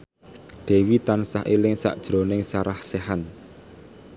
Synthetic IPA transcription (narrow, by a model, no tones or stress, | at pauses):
ɖ̪̥e̤wit̪ansa̰ɦilɪŋsa̰ʔd̥ʒ̥ɾonɪŋsaɾahsɛɦan